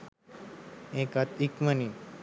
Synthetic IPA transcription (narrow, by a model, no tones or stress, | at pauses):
ekat̪ikməni